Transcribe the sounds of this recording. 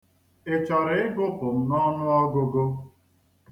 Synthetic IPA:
e˨t͡ʃɔ˨ɾe˦ɪ˦ɡʊ˦pʊ˨m̩˨nɔ˦nʊ˦ɔ˦ɡʊ˦ɡo˦

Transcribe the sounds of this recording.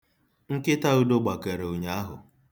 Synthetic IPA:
ŋ̩˦kɪ˦ta˦u˦do˦ɡ͡ba˨ke˨ɾe˨o˨ɲa˦a˦ɦʊ˨

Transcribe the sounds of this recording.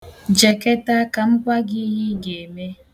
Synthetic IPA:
d͡ʒe˨ke˦ta˦ka˨m̩˦kʷa˦ɡɪ˦ɦɪ˦ɡe˨e˨me˦

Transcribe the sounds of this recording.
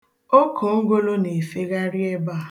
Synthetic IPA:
o˦kʰo˨ŋ̩˦ɡo˦lo˦ne˨fe˦ɣa˦ɾi˦e˦ba˦˨

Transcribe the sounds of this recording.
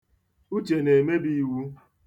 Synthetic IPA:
u˦t͡ʃe˨ne˨me˦bi˦˨wu˦

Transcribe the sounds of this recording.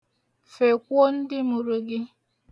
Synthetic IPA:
fe˨kʷo˦n̩˦dɪ˦mu˨ɾu˨ɡɪ˦

